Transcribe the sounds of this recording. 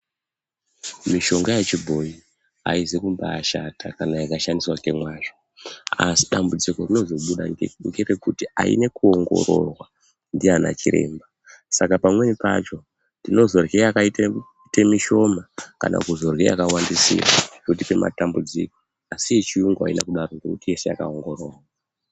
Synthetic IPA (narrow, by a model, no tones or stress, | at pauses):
miʃo̞ŋɡajet͡ʃibʱo̞i | a̰izekumbaːʃatʰakanajakaʃandiswake̞mwaːt͡ʃo̥ | asi̥ɗambud͡ziko̞rino̞zo̞ɓuɗaŋɡeɾekutia̰ḭne̞kuo̞ŋɡo̞̰ɾo̞̰rwa | ndiana̰t͡ʃiɾe̞̰ːmba | sakapamwe̞nipa̰t͡ʃo̞ | ndino̞zo̞rɣejakaite | temiʃo̞maka̰na̰kuzo̞rɣḛja̰kawandisḭrat͡ʃkutipe̞ma̰tambud͡zḭko̥ | asijet͡ʃiuŋɡoa̰inakuɗaɾo̞ŋɡe̞kutije̞se̞ja̰ka̰o̞ŋɡo̞ro̞ːrwa